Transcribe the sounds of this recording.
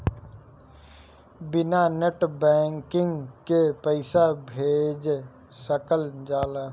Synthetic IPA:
bɪnaneʈbɛ̃ːŋkɪ̃ŋɡkepəɪsabʱeːd͡ʒ | səkəld͡ʒaːlaː

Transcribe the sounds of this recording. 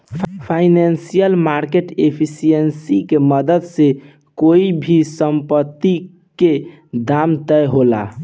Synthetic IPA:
pʰainansijəlmaɾkeʈepʰisijənsikeməd̪əd̪se | koibʱisəmpət̪ːi | ke | d̪amt̪əjɦola̰

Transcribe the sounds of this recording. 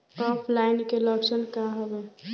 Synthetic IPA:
ɔpʰlajnkeləksənkaɦəbɛ

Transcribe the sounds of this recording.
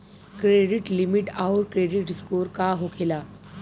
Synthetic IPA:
kɾeɖiʈlimiʈawɾkɾeɖiʈskoɾkaɦokʰela

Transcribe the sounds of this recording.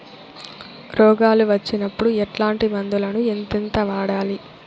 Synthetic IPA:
ɾɔːɡaːluʋɐt͡ʃːinɐpːuɽuɛʈlaːɳʈibɐnd̪ulɐnuent̪int̪ɐʋaːɽaːli

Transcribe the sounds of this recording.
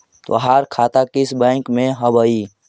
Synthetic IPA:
t̪o̰ɦaːɾkʰaːt̪akɪsbɛ̃ːŋkmẽɦəbəiː

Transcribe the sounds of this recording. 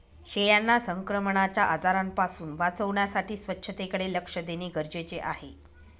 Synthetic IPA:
ɕejanːasəŋkɾəməɳat͡ɕjaʔad͡zaɾampasuːnʋat͡səʋɳjasaʈiːsʋətːɕʰət̪ekəɽeləkʂəd̪eniːɡəɾd͡ʑet͡ɕeʔaɦe

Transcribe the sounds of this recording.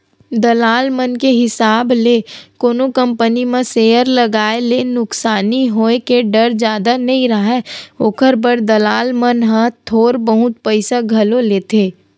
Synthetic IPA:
d̪ɐlaːlmənkeɦɪsaːblekoːnokə̃mpənimẽseːəɾlɐɡaːelenʊksaːniɦoːekeɖɐɾd͡ʒjaːd̪anɐɦĩɾɐɦɛoːkʰəɾbəɾd̪ɐlaːlmənɦãt̪ʰoːɾbəɦʊt̪̚pəɪsaɡʱɐloleːt̪ʰeː

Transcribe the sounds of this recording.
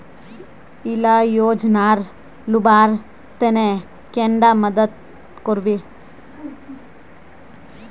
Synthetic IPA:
ilajoːd͡ʒnaːɾ | lubaːɾ | t̪ene | keɳɖamɐd̪ɐt̪̚ | koɾbi

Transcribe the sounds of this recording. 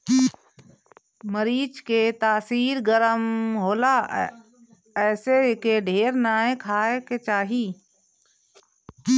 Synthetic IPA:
məɾiːd͡ʒket̪aːsiːɾɡəɾəmɦoːlaː | ɛːsekeɖʱeːɾnaːẽkʰaːeket͡ʃaːɦiː

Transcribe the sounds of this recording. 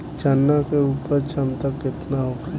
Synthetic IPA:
t͡ʃanːakeuːpəɾt͡ʃʰəmt̪əkːɪt̪naɦoɡa

